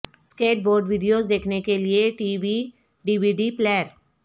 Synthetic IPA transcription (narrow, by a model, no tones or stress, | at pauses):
skeːʈ̚boːɾɖʋiːɖijozd̪eːkʰnekelieʈiːʋi | ɖiːʋiːɖiplɛːəɾ